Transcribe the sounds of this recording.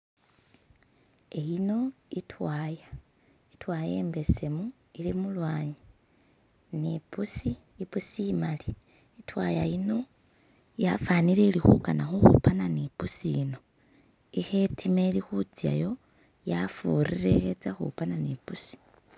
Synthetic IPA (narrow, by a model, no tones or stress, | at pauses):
e̞jino̞itʰwaːja | itwaːjeːmbe̞semu | ilimulwaːɲi | nipusiː | pusiimaliː | twajajino̞ | jafaːnileilixṵkanaxuxṵpananipusiːno̞ | ixe̞tʰimelixut͡sija̰jo̞ | jafurire̞xet͡saxṵpananipusi̥